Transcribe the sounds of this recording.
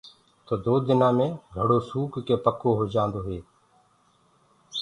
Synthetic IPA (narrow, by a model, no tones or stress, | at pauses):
t̪oːd̪oːd̪ɪnãːmẽːɡʱəɽoːsuːkkeːpəkʰoːɦoːd͡ʒaːnd̪oːɦeː